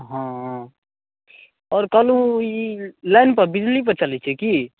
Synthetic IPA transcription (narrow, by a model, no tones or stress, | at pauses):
ɦãɦã | ɔːɾkəlũilaɪnpəɾbid͡ʒlip̬əɾt͡ʃəlɛt͡ʃʰɛki